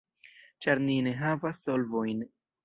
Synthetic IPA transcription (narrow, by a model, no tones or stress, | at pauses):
t͡ʃaɾnine̞ɦavasːo̞lvo̞jn